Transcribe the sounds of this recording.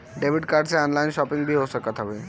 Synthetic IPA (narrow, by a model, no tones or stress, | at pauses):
ɖebʱiʈkaɾɖseɔnlainʃɔpiŋbʱiɦosəkat̪ɦɔbe